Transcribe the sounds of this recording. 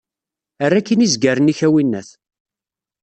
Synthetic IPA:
ərːækːinizɡæɾəniçæwinːæ̰θ

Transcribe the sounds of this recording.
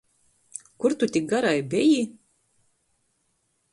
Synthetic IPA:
kuɾt̪ut̪ʲik̚ɡaɾajbʲɛji

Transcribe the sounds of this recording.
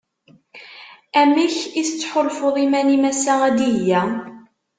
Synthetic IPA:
æmiçiθət͡sːħolfoðˤimænimæsææd̪ijːæ

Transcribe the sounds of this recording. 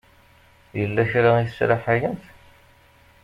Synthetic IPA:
jəlːæçɾaisɾaħajəmθ

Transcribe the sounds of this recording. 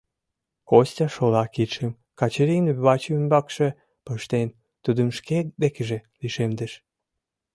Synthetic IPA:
kostʲɑʃolɑkit̪ʃəm | kɑt͡ɕeɾinβɑt͡ɕymbɑkʃe | pəʃt̪en | t̪ud̪ə̆mʃked̪ekəʒĕliʃemd̪əʃ

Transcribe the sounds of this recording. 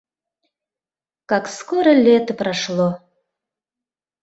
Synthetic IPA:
kɑkskoɾəlʲet̪əpɾɑʃlˠo

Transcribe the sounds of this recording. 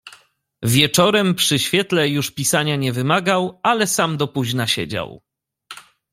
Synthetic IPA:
vʲjɛt͡ʂɔɾɛmpʂɘɕfʲjɛt̪lɛjuʂpʲisaɲaɲɛvɘmaɡawalɛsamd̪ɔpuʑnaɕɛ̰d͡ʑa̰w

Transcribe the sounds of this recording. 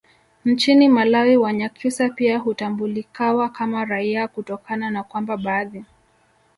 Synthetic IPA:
n̩t͡ʃinimalawiwaɲakʰisapiaɦutambulikawakamaɾaiakutɔkananakwambaɓaːði

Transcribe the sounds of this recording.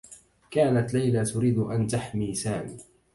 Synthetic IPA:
kaːnat̪lajlat̪ʊɾiːd̪ʔant̪aħmiːsaːmiː

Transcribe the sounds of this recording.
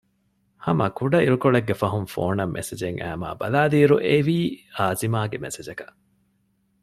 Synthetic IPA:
hɐmɐ̰kuɖɐiɾukoɭeɡːefɐɦunfo̰ːnɐmːʔḛsed͡ʒeŋʔæ̰ːma̰ːbɐ̰laːliːɾuʔeʋiːaːzimaːɡemesed͡ʒɐkɐ̥ʔ

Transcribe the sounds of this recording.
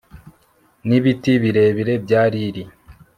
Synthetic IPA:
niβitiβiɾe̞βiɾe̞bɟaːɾiɾi

